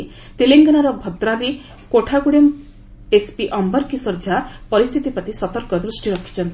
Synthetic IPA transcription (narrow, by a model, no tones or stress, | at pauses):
t̪eleŋɡanaɾɔbʱɔt̪ɾaɾi | koʈʰaɡuɽem | espiʔɔmbɔɾkisɔɾd͡ʒapɔɾist̪ʰit̪ipat̪isɔt̪ɔɾkɔd̪ɾusʈiɾɔkʰi̥t͡ʃʰɔnt̪i